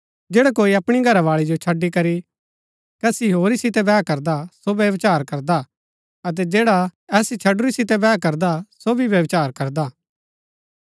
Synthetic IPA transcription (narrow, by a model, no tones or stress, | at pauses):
d͡ʒeːɽakoːiɐpɽ̃iɡʱɐɾaʋaːɭid͡ʒot͡ʃʰɐɖːikɐɾi | kɐsiɦoːɾisɪt̪ɛbɛːkɐɾd̪asoʋjɐʋt͡ʃaːɾkɐɾd̪a | ɐt̪̬ɛd͡ʒeːɽaɛːsit͡ʃʰɐɖʊɾisɪt̪ɛbɛːkɐɾd̪asobʱiʋjɐʋt͡ʃaːɾkɐɾd̪a